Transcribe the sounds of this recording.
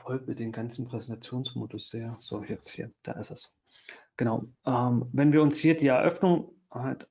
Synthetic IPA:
fɔlk̚mɪt̚d̥eːnɡant͡sn̩pʁ̥ɛzɛntʰat͡sjoːnsmo̰ːdʊsz̥eːɐz̥o̰ːjɛt͡sthiːɐd̥a̰ːʔɪsd̥asz̥o̥ː | ɡ̥ənaʊʔɛmvɛnviːɐʊnshiːɐdiːɛɐʔœfnʊŋ | halt

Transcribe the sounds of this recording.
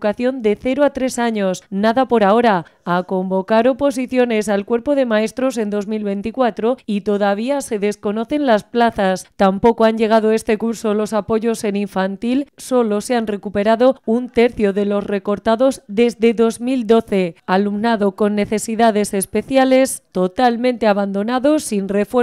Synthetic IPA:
kaθjo̞nd̪e̞θe̞ɾoat̪ɾe̞saɲo̞snaðapo̞ɾao̞ɾaako̞mbo̞kaɾopo̞s̬iθjo̞ne̞salkwe̞ɾpo̞ðe̞mae̞st̪ɾo̞s̬e̞nd̪o̞zmilβe̞nt̪ikwat̪ɾo̞it̪o̞ðaβ̞iase̞ðe̞sko̞no̞θe̞nlasplaθast̪ampo̞koaɲʝe̞ɣ̞að̞o̞e̞st̪e̞kuɾso̞lo̞sapo̞ʝo̞se̞niɱfant̪ilso̞lo̞seanre̞kupe̞ɾaðount̪e̞ɾθjo̞ðe̞lo̞sre̞ko̞ɾt̪aðo̞zðe̞zðe̞ðo̞zmild̪o̞θe̞alumnaðo̞ko̞nːe̞θe̞siðaðe̞se̞spe̞θjale̞st̪o̞t̪almẽ̞nt̪e̞aβand̪o̞naðo̞sːinre̞fwe

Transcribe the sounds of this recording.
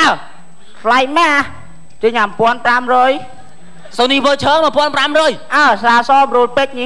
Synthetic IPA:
ʔa | sʰlajmaːh | t͡ɕəɲampŏənpramrɔːj | soniːʋəːt͡ɕʰəːŋməəpŏənpramrɔːjʔasaːsɑːbrulpəc̚ni

